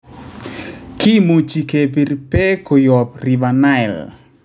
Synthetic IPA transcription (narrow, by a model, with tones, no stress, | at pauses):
kʰɪ˦mu˨t͡ʃi˨ke˨pi˨ɾpɛ˦ko˨jɔ˨p̚ri˨ba˨na˦ɛ˨l